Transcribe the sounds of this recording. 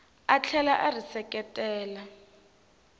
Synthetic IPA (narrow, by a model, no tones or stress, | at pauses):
at͡ɬʰɛlaʔarisɛkʼɛtʼɛːla